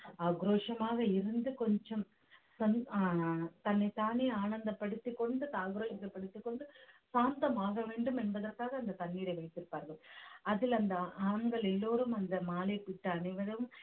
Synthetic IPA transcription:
aːɡɾoːʂɐmaːɣɐɪɾɯnd̪ɯkɔɲd͡ʒɐm | sɐn | t̪ɐnːɛt̪aːneːaːnɐnd̪ɐpːɐɽɯt̪ːɯkːɔɳɖɯt̪aːɡɾoːʂɐt̪ːɐpːɐɽɪt̪ːɯkːɔɳɖɯsaːnt̪ɐmaːɣɐʋeːɳɖɯmɛnbɐðɐrkaːɣɐːnd̪ɐt̪ɐɳːiːɽɐɪʋɐɪt̪ːɪɾɯpːaːɾɣɐɭɐðɪlɐnd̪ɐʔaːɳɐŋɡɐɭɛlːoːɾɯmɐnd̪ɐmaːlɛpɪʈːɐnɪʋɐɽɐʋɯm

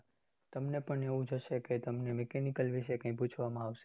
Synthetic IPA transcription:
t̪əmnepəɳeʋũd͡ʒəʃeket̪əmnemɛkɛnikəlʋiʃekə̃ĩp̬ut͡ʃʰʋamãaʋʃe̥

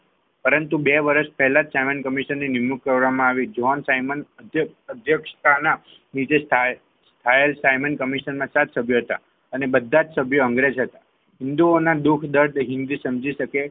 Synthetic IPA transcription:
pəɾənt̪ubeʋəɾəʃpɛɦɛlad͡ʒsajmənkəmiʃənːinɪmukːəɾʋamãaʋid͡ʒoɦansajmənəəd̪ʱjəkʂət̪ʰana | nit͡ʃest̪ʰ | st̪ʰaelsajmənkəmiʃənmãsat̪səbʱjoɦət̪a | ənebəd̪ʱad͡ʒsəbʱjoə̃ŋɡɾed͡ʒɦət̪a | ɦɪnd̪uonad̪ukʰd̪əɾd̪ɦɪnd̪isəmd͡ʒiʃəke

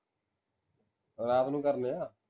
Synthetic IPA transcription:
ɾaːt̪nũːkəɾneːjaː

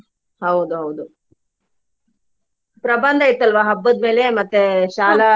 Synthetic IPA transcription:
ɦɐwd̪uɦɐwd̪u | pɾɐbɐnd̪ʱɐit̪ːɐlʋaːɦɐbːɐd̪̚me̞ːlemɐt̪ːeʃaːlɐ

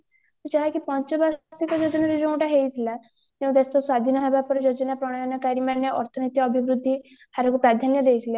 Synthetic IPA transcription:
ud͡ʒaɦekipɔnt͡ʃɔbasikɔd͡ʒɔd͡ʒɔnɔɾed͡ʒoũʈaɦejt̪ʰila | t̪eũd̪esɔswad̪ʱinɔɦebapɔɾɔd͡ʒɔd͡ʒɔnapɾɔɽ̃ɔjɔnakaɾimanjɔʔɔɾt̪ʰɔnit̪iɔbʱibɾud̪ʱːi | haɾɔkupɾad̪ʱjanjɔd̪ejt̪ʰile

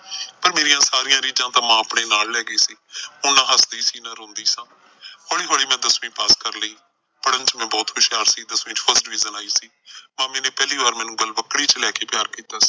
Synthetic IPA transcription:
pəɾmeːɾijãːsaːɾɪijãːɾiːd͡ʒãːt̪ãːmãːəpɳeːnaːllɛːɡiːsiːɦʊnãːɦəsd̪iːsiːnaːɾõːnd̪iːsãː | hoːɽiːɦoːɽiːmɛ̃ːd̪əsʋĩːpaːskəɾləiː | pəɽənt͡ʃmɛ̃ːbɔːt̪xʊʃjaːɾsiːd̪əsmĩːt͡ʃpʰəɾsɖɪʋiːzənaːiːsiːmãːmeːneːpɛːliːʋaːɾmɛ̃ːnũːɡəlʋəkɽiːt͡ʃlɛːkeːpjaːɾkiːt̪aːsi̥ː

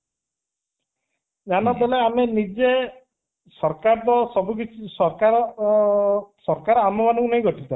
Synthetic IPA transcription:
nanɔbeleamenid͡ʒe | sɔɾkaɾb̪ɔsɔbuk̬it͡ʃʰisɔɾkaɾɔ | sɔɾkaɾɔamɔmanɔ̃ŋkuneĩɡɔʈit̪ɔ

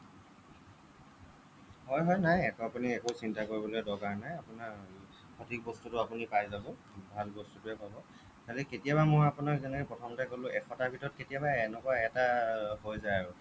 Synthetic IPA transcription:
hɔjɦɔjnajɛkʊapuniɛkosintakoɹibɔlojdɔɹkaɹnajapʊnaɹ | kʰɔtik̚bɔstutʊapunipajzabɔ | bʱalbɔstutʊɛpabɔ | talɛketijabamojapunakzɛnɛkɛpɹɔtʰɔmɔtɛkolʊ̃ʔɛxɔtabʱitɔɔt̚ketijabaɛnɔkɔaɛtahojzaɹʊ

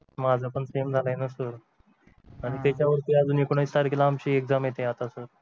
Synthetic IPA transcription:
mad͡zʱapəɳsemd͡zʱalajnəsəɾ | aɽ̃it̪at͡ɕaʋəɾt̪iːad͡zuːnekuɳəst̪aɾikʰilaːmɕiːeɡd͡zamjet̪ẽat̪asəɾ

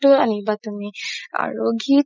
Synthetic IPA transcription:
uɐnibɐt̪umia̰ɻoːɡʱi

